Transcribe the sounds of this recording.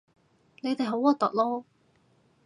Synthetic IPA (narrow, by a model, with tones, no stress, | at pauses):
le˨˧jt̪e˨jɦo˨˥wɔː˨˧t̪ɐ̰˨k̚lɔː˥